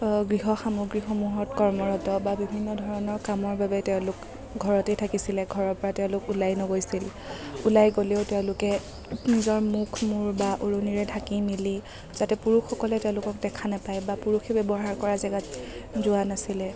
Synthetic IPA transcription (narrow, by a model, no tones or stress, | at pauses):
ɡɹiɦɔxamoɡɹixomuɦɔtkɔɹmɔɹɔtɔbabibʱinːɔdʱɔɹɔnɔɹkamɔɹbabɛtɛʊ̃lʊk | ɡʱɔɹɔtetʰakisilɛɡʱɔɹɔɹpɔɹatɛʊ̃lʊkulajnɔɡojsil | ulajɡoleʊtɛʊ̃lʊkɛ | nizɔɹmukʰmuɹbaʔoɹoniɹɛdʱakimili | z̥atɛpuɹuxɔkɔlɛtɛʊ̃lʊkɔk̚dɛkʰanapajbapuɹuxʰɛbɛbɔɦaɹkɔɹazɛɡatzʊanasilɛ